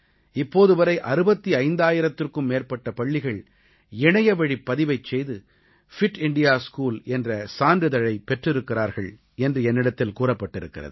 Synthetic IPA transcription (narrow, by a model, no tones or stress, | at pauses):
ɪpːoːðɯʋɐɾɐɪʔɐɾɯbɐt̪ːiɐɪnd̪aːjɪɾɐt̪ːɯrkɯmːeːrpɐʈːɐpɐɭːɪɣɐɭ | ɛɳɐjɐʋɐɻipːɐðɪʋɐɪt͡ʃːɛjðɯ | fɪʈɪɳɖɪjaːskuːlɛndrɐsaːnrɯðɐɻɐɪpɛʈrɪɾɯkːɪraːɾɣɐɭ | ɛndrɯɛnːɪɽɐt̪ːɪlkuːrɐpːɐʈːɪɾɯkːɪrɐ̰ðɯ